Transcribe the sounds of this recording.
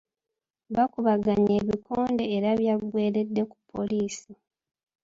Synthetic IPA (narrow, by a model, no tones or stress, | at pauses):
βakuβaɡaɲeβikʰo̞ːnde̞ːɾaβjaɡwe̞ːɾe̞dːe̞ku̥pʰːo̞̰liːsi